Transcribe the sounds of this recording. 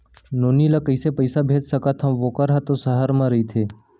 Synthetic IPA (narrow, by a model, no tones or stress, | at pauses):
noːnilakəɪsepəɪsabʱeːd͡ʒsəkat̪ʰãʋoːkəɾɦat̪osəɦəɾmãɾəɦit̪ʰeː